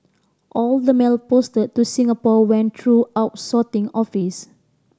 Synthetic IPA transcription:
ʔɔldəmelpostəd̚tusĩŋapɔwɛ̃nt̪ʰɹuaʊt̚sɔtɪ̃ŋɔfis

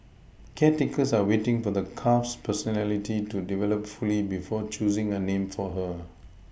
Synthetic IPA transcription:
kʰɛtikəsawetɪ̃ŋfɔd̪əkʰafspʰəsɔnɛlititudivɛləpfulibifɔt͡ʃuzɪ̃ŋənẽmfɔɦə

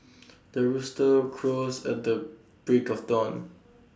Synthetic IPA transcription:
d̥əɹustəkʰɹosɛ̰t̚də | b̥ɹikɔfdɔ̃n

